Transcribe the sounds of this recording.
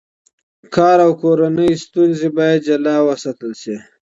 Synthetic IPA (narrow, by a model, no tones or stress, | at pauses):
kʰɑːɾawkoɾanəjst̪unzibɑjad̪̚d͡ʒalɑwəsat̪əlsi